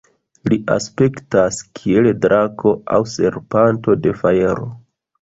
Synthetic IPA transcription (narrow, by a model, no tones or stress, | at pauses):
liʔa̰spe̞ktaskʰieledɾʔakʰo̞a̰wse̞̰ɾpanto̞de̞fajeɾo̞̰